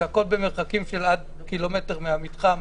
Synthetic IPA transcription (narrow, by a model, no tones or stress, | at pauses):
ako̞lbe̞me̞ʁχakimʃelad̪̚ | kilo̞me̞te̞ʁmeamit̪χam